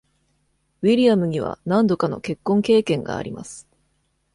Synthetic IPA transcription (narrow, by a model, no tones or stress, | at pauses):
βiɾʲijamɯ̟ɲ̟iβa̰nãnd̪o̞kano̞̰ke̞kːõ̞ŋke̞ːkẽ̞ŋɡa̰ːɾʲima̰sɨ̥